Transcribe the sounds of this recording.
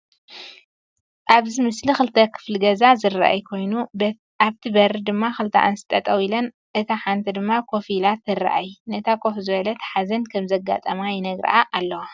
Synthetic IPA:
ʔaβzimɨslixɨlt̪ʰɐkʰɨ̥flɨɡɐzazɨra̰ʔa̰jkʰo̞jnu | aβt̪ʰibɐɾd̪ɨmːaxɨlt̪ʰa̰ʔɨnsɨ̥t̪ʼɐt̪ʼɐwilɐn | ʔɨt̪ʰaħant̪ʰɐd̪ɨmːakʰo̞filat̪ːɨra̰ʔajnɐt̪ʰakʰofzɨβɐlɐt̪ʰħazɐnkʰɐmzɐɡa̰t̪ʼɐmajɛnɐɡɾɐ̰ʔaʔalːɐwa

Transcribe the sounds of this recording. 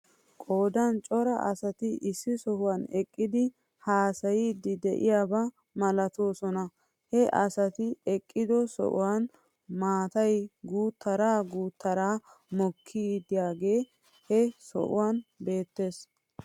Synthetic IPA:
kʼo̞ːd̪ɐnt͡ʃʼɔɾɐʔɐsɐt̪ɪʔɪsːɪsɔhʊwanɛkʼːɪd̪ɪ | haːsɐjid̪ɪd̪ɛʔɪ̰jaːbɐ | mɐlɐt̪o̞ːsɔnɐ | hɛʔɐsɐt̪ɪɛkʼːɪd̪ɔsɔ̰ʔʊ̰wan | maːt̪ɐjɡuːt̪ʰːɐɾaːɡuːt̪ːɐɾaː | mɔkʰːɪd̪ɪjaːɡe̞ː | hɛsɔ̰ʔʊ̰waːnbe̞ːt̪ːe̞ːs

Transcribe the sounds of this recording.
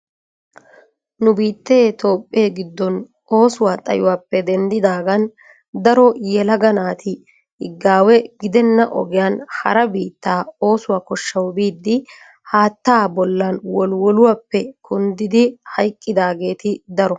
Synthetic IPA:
nʊbiːt̪ːɛt̪o̞ːpʼːeːɡɪd̪ːɔn | o̞ːsʊwaːt̪ʼɐ̰jʊwaːpːɛd̪ɛnd̪ɪd̪aːɡɐn | d̪ɐɾɔjɛlɐɡɐnaːt̪ʰɪ | hɪ̰ɡːaːwɛɡɪd̪ɛnːɐʔɔ̰ɡɪjaːnhɐ̰ɾɐbiːt̪ːaːo̞ːsʊwaːkɔʃːɐwbiːd̪ːɪ | haːt̪ːaːbɔlːɐnwɔlwɔlʊwapːɛkʰʊnd̪ɪd̪ɪhɐjkʼːɪd̪aːɡe̞ːt̪ɪd̪ɐɾɔ

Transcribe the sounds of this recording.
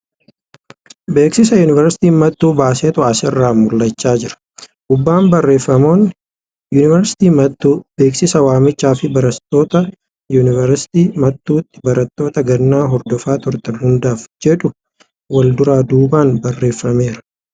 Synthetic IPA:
be̞ːksɪs̬ɐjuːnɪvɛɾsɪ̥t̪iːnmɐt̪ːuːbaːseːt̪ʊaːsɛrːaːmʊlːɐt͡ʃːaːd͡ʒɪɾɐ̥ | ʔʊbːaːmbɐrːe̞ːfːɐmo̞ːn | juːnɪvɐɾsɪ̥t̪iːmɐbe̞ːksɪsɐwaːmːɪt͡ʃːaːfɪbɐɾɐt̪ːo̞ːt̪ɐ | juːnɪvɐɾsɪ̥t̪iːmɐt̪ːuːt̪ːɪ̥bɐɾɐt̪ːo̞ːt̪ɐɡɐnːaːɦɔɾd̪ɔfaːt̪ʊɾt̪ɐnhʊnd̪aːfd͡ʒɛᶑʊ | wɐld̪ʊɾaːd̪uːbaːnbɐrːe̞ːfːɐme̞ːɾɐ̥

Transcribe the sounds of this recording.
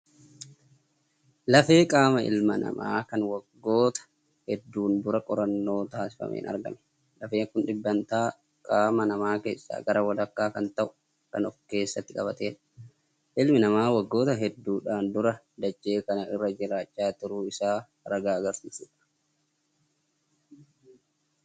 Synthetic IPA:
lɐfe̞ːkʼaːmɐɪ̰lmɐnɐ̰ma̰ːkɐnwɐɡːo̞ːt̪ɐ̥ | hɛd̪ːuːnd̪ʊɾɐkʼɔɾɐnːo̞ːt̪aːsɪ̥fɐ̰mʔḛːnɐ̰ɾɡɐ̰mɛ̥ | lɐfe̞ːŋkʊnᶑɪbːɐnt̪aː | kʼaːmɐnɐmaːke̞ːsːa̰ːɡɐɾɐwɐlɐkːaːkɐnt̪ɐʔʊ̥ | kɐ̰nɔfke̞ːsːɐt̪ːɪkʼɐβɐt̪e̞ːᶑ | ʔɪlmɪnɐmaːwɐɡːo̞ːt̪ɐɦɛd̪ːuːᶑaːnd̪ʊɾɐ | d̪ɐd͡ʒːe̞ːkɐnɐɪrːɐd͡ʒɪɾaːt͡ʃʼːaːt̪ʊɾuːɪsaː | ɾɐɡaːɐɡɐɾsiːsuːᶑɐ̥

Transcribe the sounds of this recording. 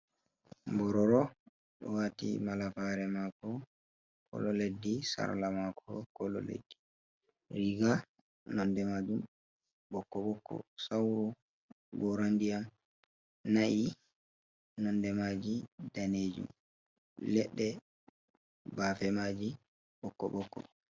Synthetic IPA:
mbɔɾɔɾɔ | ɗɔ̰watḭmalafaɾɛmakɔ | kɔ̰lɔledːisa̰ɾlamakʰɔ̰kɔlɔ̰lḛdːi | ɾiɡa | nɔndɛmad͡ʒum | bɔkːɔbɔkːɔ̰sawɾu | ɡɔɾandijam | naʔi | nɔndɛmad͡ʒidaneːd͡ʒṵm | lɛɗːɛ | baːfɛmad͡ʒi | ɓɔkːɔ̰ɓɔkːɔ̰

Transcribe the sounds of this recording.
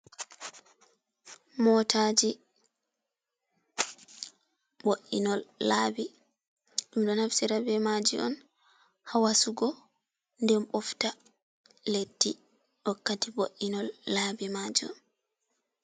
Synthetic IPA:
mɔtad͡ʒi | boʔinɔlːaːbi | ɗumɗɔnhafsiɾabɛmad͡ʒiʔɔ̰n | hawasuɡɔ | ndɛmɓɔfta | letːi | ɗɔkːatiboʔːinɔlːabimad͡ʒiɔ̰n

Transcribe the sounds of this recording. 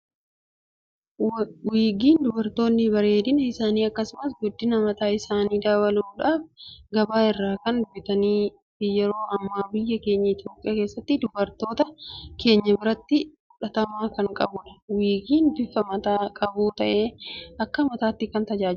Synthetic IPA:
wiːɡiːnd̪ʊbɐɾt̪o̞ːnːɪbɐɾe̞ːd̪ɪnɐɪsaːniːɐkːɐsʊmɐsɡʊd̪ːɪnɐmɐt̪aːɪsaːniːd̪aːwɐluːᶑaːfɡɐbaːɪrːaːkɐnd̪ʊbɪt̪ɐniː | ɪjɛɾo̞ːʔɐmːaːbɪjːɐke̞ːɲːɐɪt̪jo̞ːpʼɪjaːkeːsːɐt̪ːɪd̪ʊbɐɾt̪o̞ːt̪ɐke̞ːɲːɐbɪɾɐt̪ːɪ | ʊᶑɐt̪ɐmaːkɐŋkʼɐ̰bʊᶑɐ̥wiːɡiːnbɪfɐmɐt̪aːkʼɐbuːt̪ɐʔe̞ːɐkːɐmɐt̪aːt̪ːɪkɐnt̪ɐd͡ʒaː

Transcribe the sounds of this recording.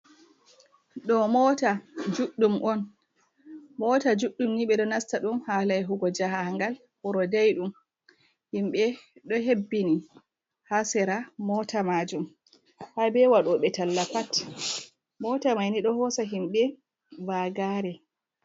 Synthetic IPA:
ɗɔmɔːtad͡ʒuɗːumʔɔn | mɔtad͡ʒuɗːumniɓɛɗɔnastaɗumhalajɦuɡɔd͡ʒahaaŋɡal | huɾɔdajɗum | himɓɛɗɔɦebːini | hasɛɾamɔtamad͡ʒum | habɛwaɗɔɓɛtalːapat | mɔːtamajniɗɔhɔsaɦimɓɛ | vaɡaɾɛ

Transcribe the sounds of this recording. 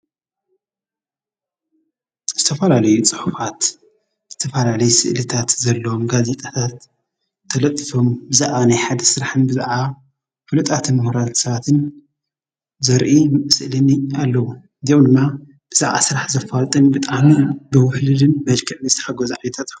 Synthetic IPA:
zɨt̪ʰɐfɐlalɐjut͡sʼɨħufat̪ | zɨt̪ʰɐfɐlalɐjusɨʔlɨt̪ʰat̪zɐlːɐomɡaze̞t̪ʼat̪ʰat̪ʰː | ɐlɐt̪ʼːɨfo̞mbɨzaʕanajħad̪ɐsɨɾaħɨnbɨza̰ʕa | fɨlɨt̪ʼat̪ʰɨnmuhɾat̪sɐβat̪ʰɨn | zɐɾʔisɨʔlɨnialːɐwu | d̪ijomd̪ɨmːa | b̥ɨzaʕa̰sɨɾaħzɐfalt̪ʼɨnbɨt̪ʼaʕmibɨwʊħlɨlɨnmɐd͡ʒkʰɐʕnɨst̪ʰħaɡozʕajɛt̪ʰat̪ʼ

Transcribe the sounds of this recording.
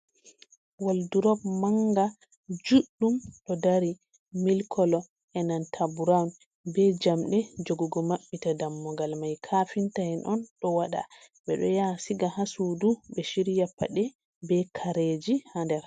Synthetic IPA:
walduɾɔbmaŋɡa | d͡ʒuɗːumɗɔdaɾi | milkʰɔlɔ | ʔɛnantʰabuɾawn | bɛd͡ʒamɗɛd͡ʒɔɡɔɡɔmaɓːitadamːɔɡalmajkʰafintahɛnʔɔnɗɔwaɗa̰ | bɛɗɔjasiɡahasudubɛʃiɾijapːa̰ɗɛ | bɛkʰaɾed͡ʒihandɛɾ

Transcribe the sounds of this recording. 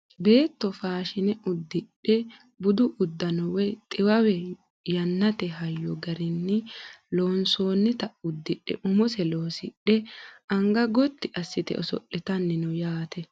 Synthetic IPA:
be̞ːt̪ːɔfaːʃɪnɛʊd̪ːɪɗɛ | bʊd̪ʊʔʊd̪ːɐnɔwɛt̪ʼɪwɐwɛ | jɐnːɐt̪ɛɦɐjːɔɡɐɾɪnːɪloːnso̞ːnːɪt̪ɐʊd̪ːɪᶑːɛ̰ʔʊmʊsɛloːsɪ̰ɗɛɐŋɡɐɡɔt̪ːɪʔɐsːɪt̪ɛ̰ʔɔsɔ̰ʔːɪt̪ɐnːɪnɔjaːt̪ɛ

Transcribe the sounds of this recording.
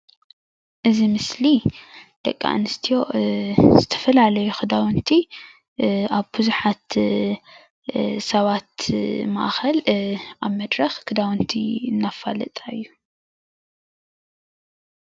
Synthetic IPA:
ʔɨzimɨslid̪̥ɐ̰kʼːa̰ʔnɨst̪ʰijo̞zɨt̪ʰɐ̥fɐlalɐjuxɨd̪awɨnt̪ʰi | aβbɨzuħat̪ | sɐβat̪ma̰ʔxɐlʔaβmɐd̪ɾɐxkʰɨd̪awɨnt̪ʰiɨnːafalɨ̰t̪ʼaɨjːu

